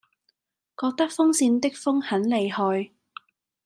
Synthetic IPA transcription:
kɔː˧k̚t̪ɐ˥k̚fʊ˥ŋsiː˧nt̪ɪ˥k̚fʊ˥ŋhɐ˨˥nle˨jhɔː˧j

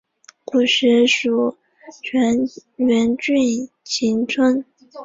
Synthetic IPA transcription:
ku˨˩ʂɻ̩˧˥ʂu˨˩ | t͡ɕʰɥɛ˧˥nɥɛ˧˥nt͡ɕy˥˩ | ɕʰi˧˥ŋt͡sʰə˥ŋ

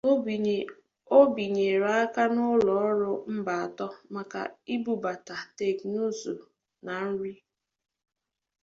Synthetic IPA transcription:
o˦bi˨ɲe˨ɾa˦a˦ka˦nʊ˦lɔ˨ɔ˦ɾʊ˦m̩˦ba˨a˨tɔ˦ma˨ka̰˨i˦bu˨ba˨ta˨te˦˨knu˦zo̰˨ | na˨n̩˦ɾi˦

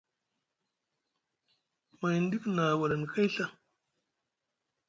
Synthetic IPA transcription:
ma˨jn˦di˦kna˨wa˨ɾa˨n˨ka˦jɬa˦

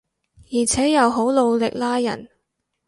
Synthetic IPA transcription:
jiː˨˩t͡sʰɛː˨˥jɐ˨˧wɦo˨˥wlo˨˧wlɪ˨k̚laː˥jɐ̰˨˩n

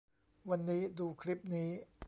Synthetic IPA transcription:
wa˧nːiː˦˥duː˧kʰɾi˦˥p̚niː˦˥

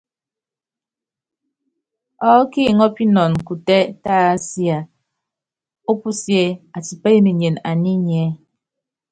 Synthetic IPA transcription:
ɔ˨˦ki˦˨ŋɔ˦pi˦nɔ˨n˨ku˨tɛ˦taː˦sja˨ | o˦pu˦sje˦a˨ti˨pe˦je˦ne˨ɲe˨na˨ni˦ɲ˨ɛ˨˦

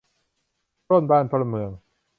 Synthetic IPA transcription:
o˥˧˨nbaː˧˩nt̪ʰo˧lmɯ˨˩əŋ

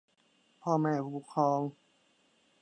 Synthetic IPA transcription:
pʰɔː˧mɛː˧˩bʰuː˧˩kʰɔː˧ŋ

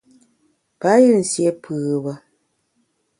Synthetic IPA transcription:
pa˨˦jɯ˦˨n̩˨sjɛ˦pɯː˨bə˦

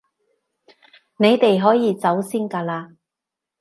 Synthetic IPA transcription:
ne˨˧jt̪e˨jɦɔː˨˥jiː˨˧t͡sɐ˨˥wsiː˥nkaː˧laː˧

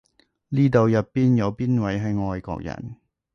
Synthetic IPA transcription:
liː˥t̪o˨˧wjɐ˨t̚pːiː˥njɐ˨˧wpiː˥nwɐ˨˥jɦɐ˨˧jŋɔː˧jkɔ̰ː˧k̚jɐ̰˨˩n

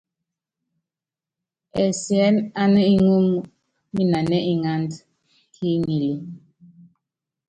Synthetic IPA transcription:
ɛ˨sjɛ˦na˦nə˦i˦ŋu˦m | mi˦na˨nɛ˦i˦ŋa˦nd | ki˦ŋi˨li˨

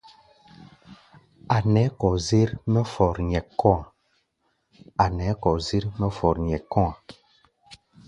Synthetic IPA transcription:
a˨nɛ˨˦kɔ˨zi˦ɾmɛ˦fɔ˨ɾɲɛ˨kːɔ̃˦a˨ | a˨nɛ˨˦kɔ˨zi˦ɾmɛ˦fɔ˨ɾɲɛ˨kːɔ̃˦a˨

